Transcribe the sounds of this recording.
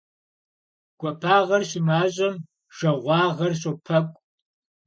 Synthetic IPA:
ɡ̥ʷɔpʰaːʁɐrɕɪmaːʑʼɐm | ʒ̥ɐʁʷɑːʁɐrɕopʰɐkʷʼ

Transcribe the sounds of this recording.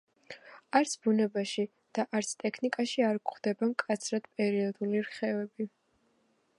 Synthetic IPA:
aɾt̪sʰbunɛbaʃi | d̪̥aʔaɾt̪sʰt̪ʼɛkʰnikʼaʃiaɾkχd̪ɛbamkʼat̪sʰɾad̪̥pʼɛɾiɔd̪uliɾχɛvɛbi

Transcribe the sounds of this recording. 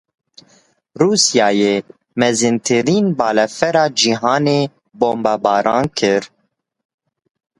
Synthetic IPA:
ɾuːsjɑːjeː | mɛzɨnt̪ʰɨɾiːnbɑːlɛfɛɾɑːd͡ʒiɦɑːneː | boːmbɑːbɑːɾɑːnkʰɨɾ

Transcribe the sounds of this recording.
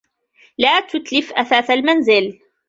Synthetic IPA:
laːt̪ʊt̪lɪfʔaθaːθalmanzɪl

